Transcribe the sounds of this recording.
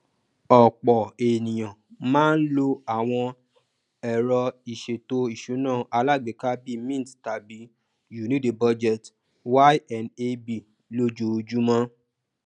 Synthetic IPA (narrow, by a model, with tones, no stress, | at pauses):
ɔ˨k͡pɔ˨e˨nĩ˨j̃ã˨mãː˦n̩˦lo˧a˦˨w̃ɔ̃˧ | ɛ˨ɾɔ˧i˨ʃe˨to˧i˨ʃu˨˦nãː˦˨ʔa˧la˦˨ɡ͡be˨ka˦bi˦mĩ˦n˨tta˨bi˨˦ | ju˨nĩ˦de˨bɔ˧d͡ʒɛ˦˨t | wa˦jɛ˨ne˧bi˦˨ | lo˧d͡ʒo˧˦˧d͡ʒu˦mɔ̃˧˦